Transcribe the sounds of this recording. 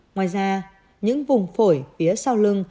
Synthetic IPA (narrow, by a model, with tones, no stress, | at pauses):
ŋwaː˨˩jzaː˧ | ɲɨ̰˧˥ŋvʊ˨˩ŋ͡mfo˧˩jfi˨˦əsa˧wlɨ˧ŋ